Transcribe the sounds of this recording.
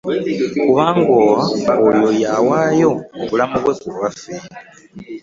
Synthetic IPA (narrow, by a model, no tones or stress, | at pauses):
kuβaːŋɡowaojojawaːjoβulamuβwekuɾwafi